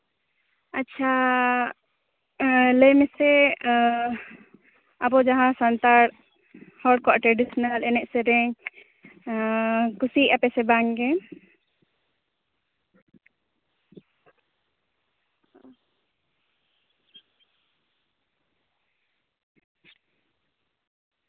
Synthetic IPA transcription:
atːt͡ʃʰa | ləjmɛsɛ | abɔd͡ʒaɦãsant̪aɾ | hɔɖ̚kwaʔʈɾeɖisɔnalɛnɛʔsɛɾɛ | kusiʔapɛsɛbaŋɡɛ

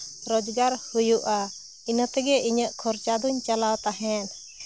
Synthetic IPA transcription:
ɾɔd͡ʒɡaɾhujuʔa | inət̪ɛɡɛiɲəʔkʰɔɾt͡ʃad̪uɲt͡ʃalawt̪aɦɛn

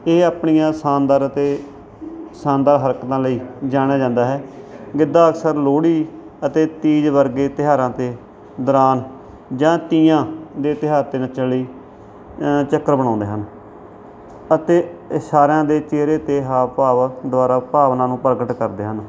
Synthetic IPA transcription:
eːaːpɳijãːsaːnd̪aːɾət̪eː | saːnd̪aːɾɦəɾkt̪ãːləiːd͡ʒaːɽ̃aːd͡ʒãːnd̪aːɦɛː | ɡɪd̪aːəksəɾloːɽiː | ət̪eːt̪iːd͡ʒʋəɾɡeːt̪ɪɦaːɾãːt̪eː | d̪əɾaːn | d͡ʒãːt̪iːãːd̪eːt̪ɪɦaːɾt̪eːnət͡ʃələiː | t͡ʃəkːəɾbəɽ̃ãːnd̪eːɦən | ət̪eːsaːɾãːd̪eːt͡ʃeːɾeːt̪eːɦaːpaːʋd̪ʊaːɾaːpaːʋnãːnũːpəɾɡəʈkəɾd̪eːɦən

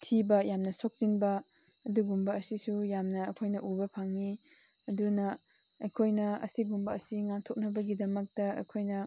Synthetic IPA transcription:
tʰibɐjamnɐsok̚z̥inbɐː | duɡumbɐːsisujamnɐɐkʰojnɐʔubɐpʰaŋni | ɐdunɐ | ɐjkʰojnɐɐ̰siɡumbɐɐsiŋaŋtʰok̚nɐbɐɡidɐmɐk̚tɐɐ̰jkʰojnɐ

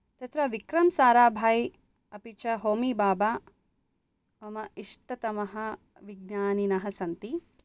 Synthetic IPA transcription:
t̪ɐt̪ɾɐʋikɾɐmsaːɾaːbʱaːj | ɐpit͡ʃɐɦoːmibaːbaː | ɐmɐiʂʈɐt̪ɐmɐɦɐ | ʋiɡnaːninɐɦɐsɐnt̪i

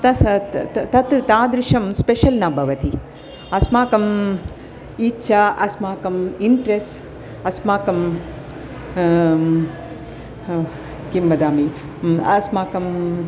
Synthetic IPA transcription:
t̪ɐ | t̪ɐt̪t̪aːd̪ɾiʂɐmspeʃɐlnaːbʱɐʋɐt̪i | ɐsmaːkɐm | iːtːt͡ʃʃaɐsmaːkɐmiɳʈɾes | ɐsmaːkɐm | kimbɐd̪aːmi | ɐsmaːkɐm

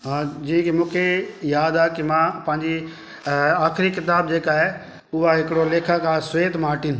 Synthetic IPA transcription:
ɦãːd͡ʒĩːkimʊ̃ːkʰejaːd̪aːkimãːpɐ̃ːɪ̃ɲd͡ʒi | aːkʰɾikɪt̪aːb̚d͡ʒeːkaːɦe | ʊaɦɪkɽoleːkʰakasʋeːt̪maːʈɪn

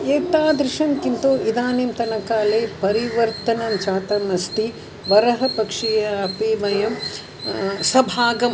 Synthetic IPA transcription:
eːt̪aːd̪ɾɪʃɐnkint̪oːʔid̪aːniːmt̪ɐnɐkaːleːpɐɾiʋɐɾt̪ɐnɐmt͡ʃaːt̪ɐmɐst̪i | ʋɐɾɐɦɐpɐkʂijɐɐpiːʋɐjɐm | sɐbʱaːɡɐm

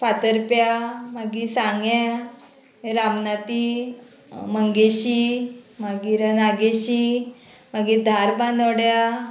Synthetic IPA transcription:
fat̪əɾpjamaɡisãŋɡjã | ɾamnat̪i | məŋɡeɕimaɡiɾənaɡeɕi | maɡid̪ʱaɾbãnd̪əwɽja

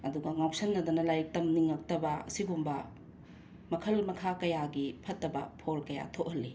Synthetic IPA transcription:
ɐduɡɐŋawpsɐnːɐd̪unɐlajk̚tɐmniŋːɐk̚tɐbɐɐ̰sibumbɐ | mɐkʰɐlmɐkʰakɐjaɡipʰɐtːɐbɐpʰoɾkɐja̰tʰoʔ̚hɐlːi

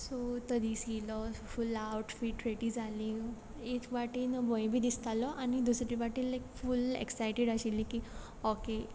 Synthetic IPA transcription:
sot̪əd̪ʱisilɔfulawʈfiʈɾeʈid͡zʱali | ekʋaʈinbɔjbʱiːd̪ist̪alɔʔañid̪usɾibaʈinlekfulḛksajʈiɽaɕilĩki | oke

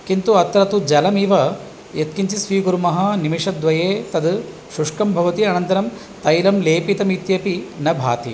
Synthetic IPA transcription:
kint̪uɐt̪ɾɐt̪ud͡ʒɐlɐmiːʋɐ | jet̪̚kiɲt͡ʃisʋiːɡuɾumɐɦɐnimiʂɐd̪ʋɐjeːt̪ɐd̪ | ʃuʂkɐmbʱɐʋɐt̪iɐnɐnt̪ɐɾɐm | t̪ɐjlɐmleːpit̪ɐmit̪jɐpinɐbʱaːt̪ḭ

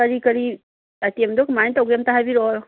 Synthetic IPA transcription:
ɐɾikɐɾi | atiemd̪ɔkmantaɡjemtaɦabiɾɔ

